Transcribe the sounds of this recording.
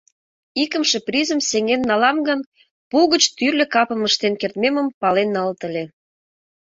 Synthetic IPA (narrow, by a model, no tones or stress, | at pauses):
ikə̆mʃĕprizə̆mseŋenːɑlɑmɡən | puɣə̆t͡ɕt̪yrlʲĕkɑpəməʃt̪enkert̪meməmpɑlenːɑlt̪əlʲe